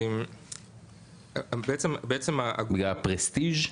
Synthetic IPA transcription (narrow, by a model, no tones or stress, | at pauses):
m | beet͡sembeet͡semaʔa̰ɡbiɡlapʁest̪iʒ